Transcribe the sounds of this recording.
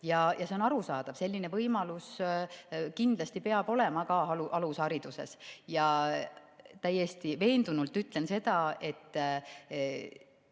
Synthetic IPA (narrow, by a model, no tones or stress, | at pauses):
jɑjɑse̞o̞nɑɾusɑːd̪̥ɑv̥se̞lʲːinevɤjmɑlus | kind̪̥lɑst̪ipe̞ɑb̥o̞le̞mɑkɑɦɑluʔɑlusɑɾid̪̥use̞̰sjɑ | t̪æjːe̞st̪ive̞ːnd̪̥unult̪ːˑyt̪ːˑlense̞d̪̥ɑe̞t̪ː